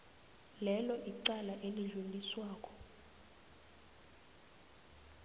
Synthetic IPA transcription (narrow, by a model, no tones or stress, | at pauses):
lɛlɔʔiǀalaʔeliɮuliswaːkʼɔ̥